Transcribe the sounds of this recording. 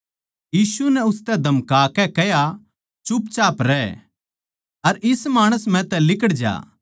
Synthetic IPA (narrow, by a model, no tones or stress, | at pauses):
jiːsunɛʊst̪ɛd̪ʱɐmkaːkɛkɛja | t͡ʃʊpt͡ʃaːpɾɛː | ɐɾɪsmaːɽ̃əsmɛ̃ːt̪ɛ̃lɪkəɽd͡ʒa̰ː